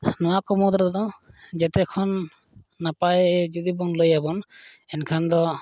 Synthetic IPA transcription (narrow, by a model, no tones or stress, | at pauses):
nɔwakɔmɔd̪ɾɔd̪ɔd͡ʒɛt̪ɛkʰɔnː | apajd͡ʒud̪ibɔŋlojabɔnɛnkʰand̪ɔ